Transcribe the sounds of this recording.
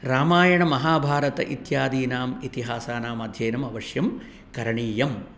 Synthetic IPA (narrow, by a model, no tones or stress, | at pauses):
ɾaːmaːjɐɳɐmɐɦaːbʱaːɾɐt̪ɐ̰ʔit̪jaːd̪iːnaːmit̪iɦaːsaːnaːmɐd̪ʱjeːnɐmɐʋɐʂjɐm | kɐɾɐɳiːjɐm